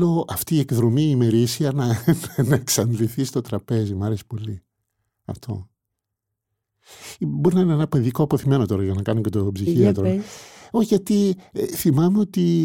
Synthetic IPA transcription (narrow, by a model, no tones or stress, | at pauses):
o̞ʔɐft̪iːe̞kðɾo̞miːme̞ɾisiɐnɐnnɐeksɐnd̪liθist̪o̞t̪ɾɐpe̞zimɐɾe̞si̥po̞li | ɐ̰ft̪ʰo̞̰ | bo̞ɾinɐineenɐpeðikoɐpo̞θime̞no̞t̪o̞ɾɐʝɐnɐkɐnocet̪opsiiɐt̪ɾoo̞çiʝɐt̪iθimɐmeo̞t̪i